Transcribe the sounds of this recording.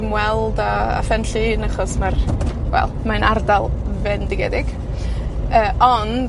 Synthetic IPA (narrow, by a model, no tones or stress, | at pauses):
mwɛlˠdaa̰fɛnɬɨənaχɔsmarwɛ̰lˠmanardalˠvɛndɪɡɛdɪɡ̥ | əːɔn